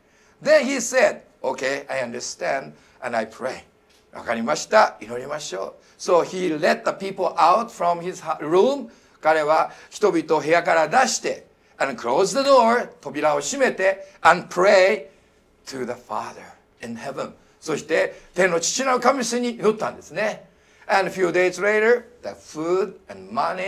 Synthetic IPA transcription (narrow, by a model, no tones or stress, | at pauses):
ðẽnçised̪ | okeɪajãnd̪ə˞st̪æ̃nd̪ | ɛ̃najpʰɾeɪ | βa̰kaɾʲimaɕi̥t̪ainoɾʲimaɕoː | soːçilet̪̚d̪əpʲiːpl̩ʔaʊt̪fɾõmhizɾũm | kaɾe̞βaçi̥t̪o̞bʲit̪o̞ɦe̞jakaɾad̪aɕi̥t̪e̞ | ɛ̃nkɨɾoːzd̪əd̪oɹt̪o̞bʲiɾao̞ɕime̞t̪e̞ɛ̃npʰɾeɪ | t̪ʰɨðəfa̰ðə̰˞ | ĩnhevə̃n | so̞ɕi̥t̪e̞t̪ẽ̞nːo̞t͡ɕi̥t͡ɕinaɯkamʲiseɲ̟inot̪ːãnd̪e̞sɨne | ɛ̃nfjuːd̪eɪzleɪɾə˞ðəfud̪ɛ̃nmani